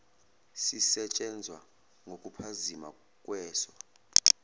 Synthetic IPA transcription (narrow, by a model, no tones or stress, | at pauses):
sisɛt͡ʃʼɛnd͡zʱwa | ŋokʼupʰazima̰ | kʼwɛːswa